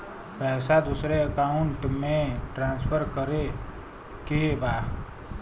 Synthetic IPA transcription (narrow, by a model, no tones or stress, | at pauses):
pɛːsad̪usɾeəkaʊɳʈmẽʈɾãːnspʰəɾkəɾe | kieba